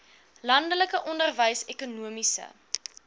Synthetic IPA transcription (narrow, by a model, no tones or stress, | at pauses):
lɐndələkəʔɔndərvəjsɛkunuəmisə̰